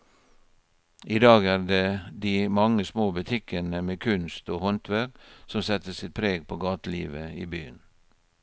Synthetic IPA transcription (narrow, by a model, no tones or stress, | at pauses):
ʔiːd̪ɑːɡæːɾd̪eːd̪iːmɑŋəsmoːbʉt̪ʰɪkənəmeːkʰʉnst̪oːhɔnt̪ʰʋæsɔmsɛt̪əsɪt̪̚pʰɾeːɡpʰoːɡɑːt̪əlḭːʋəiːbyːən